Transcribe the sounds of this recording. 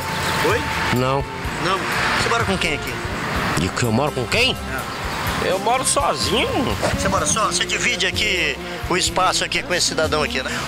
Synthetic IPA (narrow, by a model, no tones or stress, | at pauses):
ojnɐ̃w̃ | nɐ̃w̃semɔɾɐkõkẽj̃aki | d͡ʒɪkewmɔɾʊkõkẽj̃ | ɛ | ḛwmɔɾʊsɔzĩɲʊsemɔɾɐsɔsed͡ʒivid͡ʒɪaki | ʊɪspasʊakikõesɪ̥sid̪ad̪ɐ̃w̃akinɛ